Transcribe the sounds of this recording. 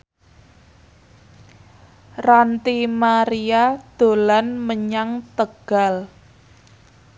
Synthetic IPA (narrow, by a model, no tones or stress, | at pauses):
rant̪imaɾiad̪̥o̤lanməɲaŋt̪əɡ̥a̤l